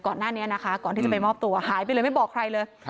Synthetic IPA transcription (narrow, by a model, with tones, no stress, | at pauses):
kɔː˨˩nːaː˥˩ni˦˥ɐna˦˥kʰa˦˥kɔː˨˩nt̪ʰiː˥˩t͡ɕa˨˩pa˧jmɔː˥˩p̚t̪u˧ɐhaː˨˩˦jpa˧ləː˧jma˥˩jbɔː˨˩kʰɾa˧jlɤː˧j